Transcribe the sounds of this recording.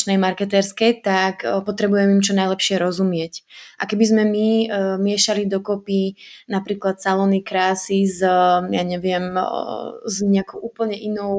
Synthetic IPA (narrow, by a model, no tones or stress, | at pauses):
t͡ʃnɛjmaɾkɛt̪ɛɾskɛjt̪akpɔt̪ɾɛbujɛmimt͡ʃɔnajlɛpʃɪɛɾɔzumɪɛcʔakɛbizmɛmimɪɛʃalid̪ɔkɔpinapɾiːklat̪salɔnikɾaːsizjaɲɛʋɪɛm | zɲɛakɔʊʔuːpl̩ɲɛʔinɔʊ